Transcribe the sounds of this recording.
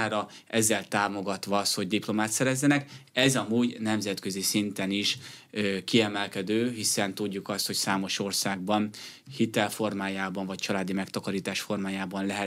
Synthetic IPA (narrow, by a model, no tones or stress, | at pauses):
ɾɒ | ʔɛzːɛlt̪aːmo̞ɡɒt̪ʋɒɒst̪ho̞ɟd̪iplo̞maːt̪sɛɾɛzːɛnɛkɛzɒmuːɟnɛmzɛt̪kø̞zisint̪ɛniʃ | kiɛmɛlkɛd̪øːɦisɛnt̪uɟːukɒst̪ho̞csaːmo̞ʃo̞rsaːɡ̚bɒn | hit̪ɛlfo̞rmaːjaːbɒɱvɒc̚t͡ʃɒlaːd̪imɛkt̪ɒkɒɾiːt̪aːʃfo̞rmaːjaːbɒnlɛɦɛ